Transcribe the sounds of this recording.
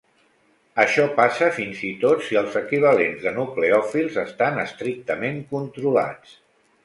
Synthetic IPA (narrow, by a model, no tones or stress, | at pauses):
əʃɔpasəfinzit̪ot̪siəlˠzəkiβ̞əlenzðənukleɔfilˠzəst̪anəst̪ɾik̚t̪əmeŋkunt̪ɾula̰t͡s